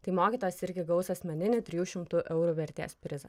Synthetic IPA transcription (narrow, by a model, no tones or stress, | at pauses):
t̪ɐɪmoːkʲiːt̪oːjɛsɪɾʲɡʲɪɡɐʊsɐsʲmʲɛnʲɪnʲɪt̪ʲɾʲɪjuːʃʲɪmt̪ʊʔɛʊɾuːʋʲɛɾʲt̪ʲḛːspʲɾʲɪzɐ